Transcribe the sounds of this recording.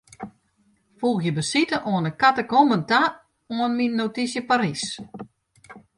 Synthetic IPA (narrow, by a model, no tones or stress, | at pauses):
fuːxjəbəsitəʔoənəkatəkomənta | oənminːotisjəparis